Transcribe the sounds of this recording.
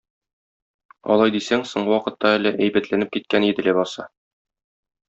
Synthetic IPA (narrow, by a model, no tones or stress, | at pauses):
ɒ̰lˠɑjd̪isæŋsŏɴɢɤwɒqɤ̆t̪ːɑælɘʔæjbæt̪lænɘp̚kit̪̚kænid̪ɘ̆læbɒsɑ